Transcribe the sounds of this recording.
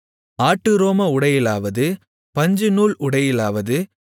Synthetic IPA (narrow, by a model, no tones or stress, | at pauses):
aːʈːɯɾoːmɐʊɽɐjɪlaːʋɐðɯ | pɐɲd͡ʒɯnuːɭʔʊɽɐjɪlaːʋɐðɯ